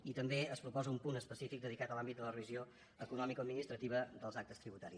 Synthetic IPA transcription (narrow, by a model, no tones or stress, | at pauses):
it̪əmbeəspɾupɔzəumpunəspəsifik̚d̪əðikat̪əlambit̪̚d̪ələrəβizio | əkunɔmikoəd̪minist̪ɾət̪iβəd̪əlˠzak̚t̪əst̪ɾiβut̪aɾis